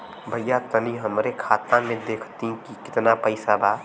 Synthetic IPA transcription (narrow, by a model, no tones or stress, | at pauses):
bʱəjːat̪əniɦəmɾekʰaːt̪ãmẽd̪eːkʰt̪ĩkikɪ̥t̪napəɪsabaː